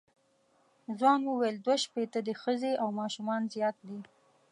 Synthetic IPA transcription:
zwɑnwəwajld̪waʃpet̪ad̪əxəzeʔawmɑʃumɑnzjɑt̪̚d̪i

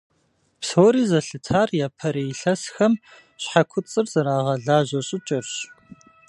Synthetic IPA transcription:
psoːɾiːzɐɬɨtʰaːrjaːpʰɐɾeːjɬɐsxɐm | ɕħakʷʰʊt͡sʼɨrz̥ɐɾaːʁɐɮaːʑɐɕʼɪt͡ʃʼɐrɕ

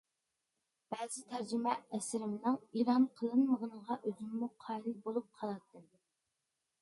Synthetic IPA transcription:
b̥ɛzɪt̪ʰæɾd͡ʒimɛɛsɪɾɪmnɪŋiɾɑmqʰəlˠɨnməʁənəʁɑʔøzymːuqʰɑjlɨbolˠup̚qʰɑlˠɑt̪ːɨm

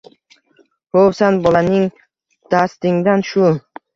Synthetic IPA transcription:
howsanbɒlanɪŋ | d̪̥ast̪ɪŋd̪anʃʊ

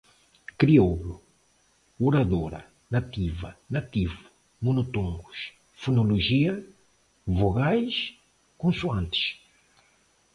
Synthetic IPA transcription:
kɾioβɾu | uɾaðoɾɐ̰ | nat̪ivɐ̰nat̪ivu | monot̪õŋɡuʃ | funoloʒiɐ | voɣajʃ | kõnsuãnt̪ɪ̥ʃ

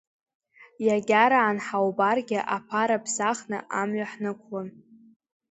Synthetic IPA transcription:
jaɡʲaɾaːnħawbarɡʲɪʔapʰaɾapʰzaχnɨ̰ʔamɥaħnɨkʷʰlan

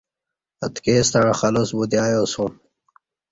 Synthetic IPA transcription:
ɐt̪keːst̪aɻaxɐlosbud̪jaːjoːsum

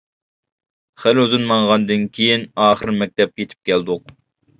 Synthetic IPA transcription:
χæløzɨnmɑɴʁɑnd̪ɨnkʲʰejinɑːχəɾmɛk̚ʲt̪ʰɛp̚jet̪ʰɪ̥p̚kʲʰɛld̪ʊq̚

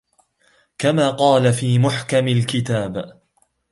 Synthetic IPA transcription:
kamaːqɑːlafiːmʊħkamalkɪt̪aːb

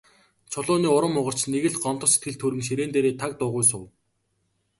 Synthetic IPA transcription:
t͡sʰʊɮʊːniːʊɾə̆mːʊʁə̆r̥t͡ɕneɣɘ̆ɮɢɔnt̪ɞ̆set̪ɡɘ̆ɮt̪ʰɵɾɘ̆ŋʃ̬iɾeːnt̪eːɾeːt̪ʰak̚t̪ʊːʁʊjs̬ʊw

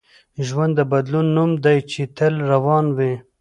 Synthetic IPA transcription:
ʒwand̪ːəbad̪lunːumd̪ajt͡ʃet̪əlɾawɑnwe

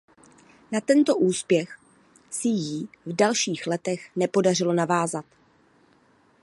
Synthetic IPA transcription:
nat̪ɛnt̪o̞ʔuːspjɛx | sɪjivdalʃiːxlɛt̪ɛxnɛpo̞dar̝ɪlo̞navaːzat̪

